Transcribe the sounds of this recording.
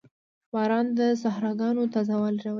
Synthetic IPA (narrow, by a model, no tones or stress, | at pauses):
bɑɾɑnd̪əsahɾɑɡɑnot̪azɑwɑlɾaw